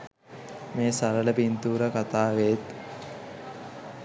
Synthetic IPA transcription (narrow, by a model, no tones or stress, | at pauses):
meːsaɾələpint̪uːɾəkat̪aːʋeːt̪